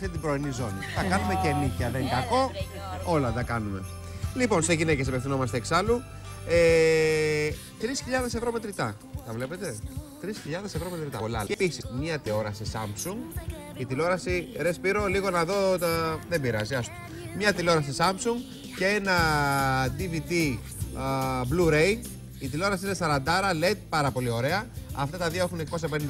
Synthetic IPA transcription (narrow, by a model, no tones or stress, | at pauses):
it̪ibɾoinizo̞niθɐkɐnume̞ce̞nicɐðe̞ŋɡɐko̞ | o̞lɐt̪ɐkɐnume̞̰ | lipo̞nse̞ʝinecesɐpefθino̞mɐst̪eksɐlu | e | t̪ɾisçiʎɐðe̞se̞vɾo̞me̞t̪ɾit̪ɐ | t̪ɐvle̞pe̞t̪e̞t̪ɾisçiʎɐðe̞se̞vɾo̞me̞t̪ɾit̪ɐolɐ̰episismɲɐt̪eo̞ɾɐsesɐ̰mpsuŋɡ | it̪ilo̞ɾɐsiɾe̞spiɾo̞liɣo̞nɐðo̞ðebiɾɐ̰ziɐst̪u̥ | mɲɐt̪ilo̞ɾɐsisɐmpsuŋɡ | cee̞nɐ | d̪ivit̪i | bluɾein | it̪ilo̞ɾɐsiine̞sɐɾɐnd̪ɐɾɐle̞t̪̚pɐɾɐpo̞lio̞ɾe̞ɐɐft̪ɐt̪ɐðioe̞xuneko̞s̬ɐpenind̪